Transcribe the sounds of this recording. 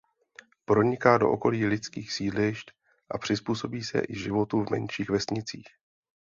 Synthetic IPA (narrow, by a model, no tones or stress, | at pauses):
pɾo̞ɲɪkaːdo̞ʔo̰ko̞liːlɪt͡skiːxsiːdlɪʃt̪ | ʔapr̥ɪspuːso̞biːsɛ̰ʔɪʒɪvo̞t̪uvmɛ̰nʃiːxvɛsɲɪt͡sḭːx